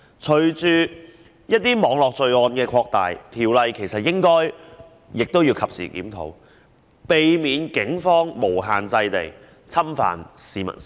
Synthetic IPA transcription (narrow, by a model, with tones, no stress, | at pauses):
t͡ʃʰɵ˨˧ɥt͡ʃyː˨˧ | jɐ˥t̚t̪iː˥mɔː˨˥ŋlɔː˨k̚t͡ʃɵ˨ɥɔː˧nkɛː˧kʰɔː˧k̚t̪a̰ː˨jt̪ʰiː˨˩wlɐ˨jkʰe˨˩jsɐ˨t̚jɪ˥ŋkɔː˥j | jɪ˨k̚t̪o˥wji˧wkʰɐ˨p̚sḭː˨˩kḭː˨˥mt̪ʰo̰˨˥w | pe˨jmiː˨˧nkɪ˨˥ŋfɔː˥ŋmo˨˩wɦaː˨nt͡sɐ˧jt̪e˨˩j | t͡sʰɐ˥mfa̰ː˨nsiː˨˧mɐ̰˨˩n